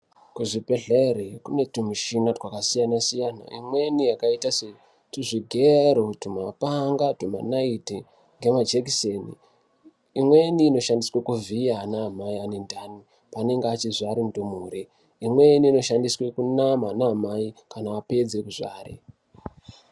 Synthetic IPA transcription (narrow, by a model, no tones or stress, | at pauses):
kuʐipeɮeɾekune̞tumiʃinatwakasijanasijana̰ḭmwe̞nijakaitase | tiʐiɡʱeɾotumapaŋɡatuma̰naiti | ŋɡe̞mad͡ʒekisenḭ | imwe̞niːno̞ʃandiswekuvijaːnaːmaiane̞ndʱani | pane̞ŋɡeat͡ʃizaɾimudomuːɾe | imwe̞niːno̞ʃandiswekunamaːnaːmaikanaːpe̞d͡ze̞kuʐa̰ːrḛ